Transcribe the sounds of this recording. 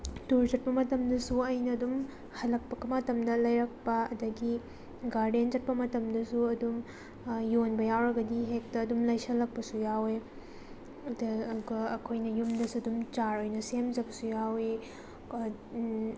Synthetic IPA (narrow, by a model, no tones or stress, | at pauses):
tuɾzɐt̚pɐmɐtɐmdɐsuɐjnɐːdum | hɐlɐk̚pɐkɐmɐtɐmdɐlɐjɾɐk̚pɐɐdɐɡi | ɡaɾdenzɐt̚pɐmɐtɐmdɐsuɐdum | jonbɐjawɾɐɡɐdiɦek̚tɐːdumlɐjsɐlɐk̚pɐsujawe | dːduɡɐːkʰojnɐjumdɐsuɐdumt͡ʃaɾojnɐsemd͡ʒɐbɐsujawe